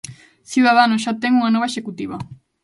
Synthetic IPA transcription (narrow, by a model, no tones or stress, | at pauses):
θjuðaðanos̬ʃat̪ɛŋuŋanɔβɐeʃekut̪iβɐ